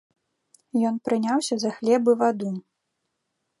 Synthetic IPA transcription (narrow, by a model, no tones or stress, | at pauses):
jɔnpɾɨnʲawsʲɐzɐxlʲɛbɨvad̪u